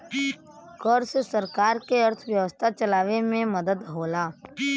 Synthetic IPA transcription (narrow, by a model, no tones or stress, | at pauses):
kəɾssəɾkaːɾkeəɾt̪ʰʋjəʋəst̪ʰat͡ʃɐlaːʋemẽməd̪əd̪ɦoːlaː